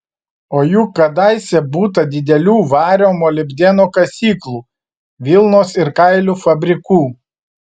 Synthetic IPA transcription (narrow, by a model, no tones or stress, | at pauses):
oːjuːkɐd̪ɐˑɪsʲɛbuːt̪ɐd̪ʲɪd̪ʲɛlʲuːʋɑːɾʲoːmoːlʲɪbʲd̪ʲeːnoːkɐsʲiːklˠuː | ʋʲɪlˠnoːsɪɾkɐɪlʲuːfɐbʲɾʲɪkuː